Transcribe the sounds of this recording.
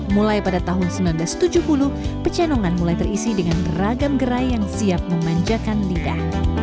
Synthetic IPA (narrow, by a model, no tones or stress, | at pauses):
mulajpadat̪aɦʊnsəmilanblast̪ud͡ʒuhpulupət͡ʃanɔŋanmulajt̪ərisidəŋanraɡamɡəɾajjaŋsiap̚məmaɲd͡ʒakanlidah